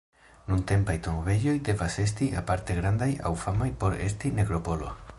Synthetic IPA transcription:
nunte̞mpajtomove̞ɟo̞jde̞vase̞s̬tia̰paɾte̞ɡɾandaja̰wfamajpo̞ɾe̞stine̞kɾo̞po̞lo̞̰

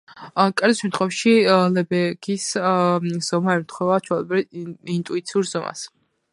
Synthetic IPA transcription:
kʼɛɾd̪isʃɛnt̪ʰχʰwɛfʃilɛbɛɡis | z̥ɔmaɛmt̪ʰχwɛvat͡ʃʰwɛlɛbɾɛint̪ʼuit̪sʰiuɾzɔma̰s

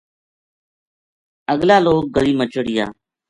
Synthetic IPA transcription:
əɠlaːloːk̚ɡəɾiːmət͡ʃəɽɪja̰ː

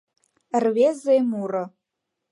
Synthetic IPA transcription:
rvezejmurə

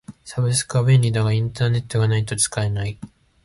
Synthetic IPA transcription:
sabɯsɨ̥kaβẽnːʲid̪aɡaĩnt̪aːne̞t̪ːo̞ɡanait̪o̞t͡sɨ̥kaenai

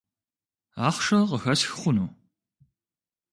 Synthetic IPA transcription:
aːχʷʂɐqəxɐsxɨχʷʊnuː

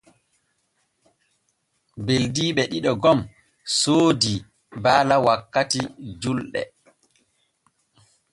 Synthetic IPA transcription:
beldiːɓɛɗiɗɔɡɔm | soːdi | baːlawakːatid͡ʒulɗɛ̰

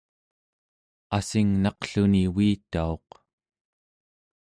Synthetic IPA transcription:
asiŋnɑqɬuniwiːt̪ao̞q

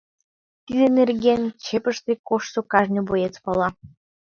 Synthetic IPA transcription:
t̪id̪enerɡʲent͡ɕepəʃt̪ekoʃsukɑʒnʲɤ̆bojet͡spɑlˠɑ

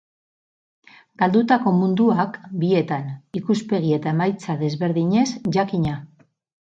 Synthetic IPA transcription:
ɡ̥ald̪ut̪ako̞mund̪uakbie̞t̪anikuspe̞ɣ̞ie̞t̪ae̞majt͡saðe̞zβe̞ɾðiɲe̞zʝakiɲa

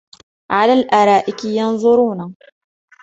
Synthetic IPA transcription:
ʕalaːlʔaɾˤɑːʔɪkɪjɑnðˤʊɾuːna

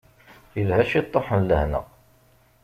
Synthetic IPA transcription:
ilhæʃit̪ˤːɑħənləhnə̰ʁ

